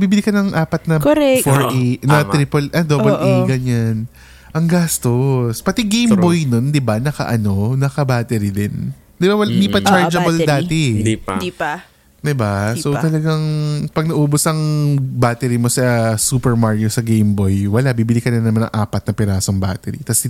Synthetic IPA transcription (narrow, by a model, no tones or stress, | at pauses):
biːbɪlikɐnɐŋʔaːpɐt̪̚nɐkoɾɛfoɹʔenɐt̪ɾipɐlʔɐd̪oːbɐlʔeɡɐɲan | ʔɐŋɡast̪ospɐt̪iɡejmbojno̞nd̪ɪbanɐkɐ̰ʔɐno̞nɐkɐbaːt̪ɛɾɪd̪ɪn | d̪ɪbawɐlnipɐt͡ʃaɹd͡ʒɐbɐld̪aːt̪ɛidip | d̪ɪbasowt̪ɐlɐɡaŋpɐɡ̚nɐʔuːbosɐŋbaːt̪ɛɾimo̞sɐsuːpɛɹmaɹjosɐɡejmbojwɐlabibɪlikɐnɪnɐmanːɐ̰ŋʔa̰ːpɐt̪̚nɐpɛɾaːsoŋba̰ːt̪ɛɾḭt̪ɐsɪ